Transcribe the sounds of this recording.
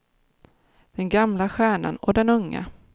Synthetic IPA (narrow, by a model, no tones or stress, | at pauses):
d̪̥ɛnɡamlaɧæːɳa̰nɔ̰d̪ɛnɵŋːa̰